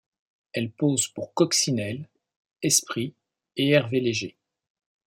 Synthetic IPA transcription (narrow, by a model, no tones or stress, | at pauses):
ɛlpozpuʁkɔksinɛl | ɛspχi | eɛʁveleʒe